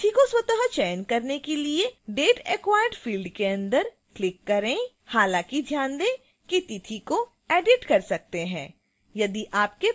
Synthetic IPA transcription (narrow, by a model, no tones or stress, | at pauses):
t̪ʰikoswɐt̪əɦət͡ʃɛːnkɐɾnekelieɖeːʈeːkwaːjəɖfiːlɖkeɐ̃nd̪əɾ | klɪkːɐɾẽ | haːlãkid̪ʱjãːnd̪ẽ | kit̪it̪ʰiko | ɛːɖɪʈkɐɾsɐk̚t̪eɦɛ̰̃ː | jɐd̪iʔaːp̚ke